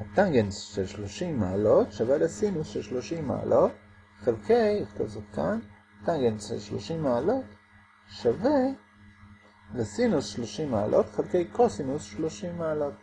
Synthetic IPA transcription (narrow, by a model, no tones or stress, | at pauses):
hat̪aŋɡensʃelʃloʃimːaːlot̪ʃavelesinusʃelʃloʃimːa̰ːlʔot̚ | χelkejχt̪o̰vsaχkan | t̪aŋɡensʃḛlʃlo̰ʃimːaːlo̞t̪ | ʃave | lesinusʃloʃimːaːlʔot̪χelkejkosinusʃloʃimːaːlot̪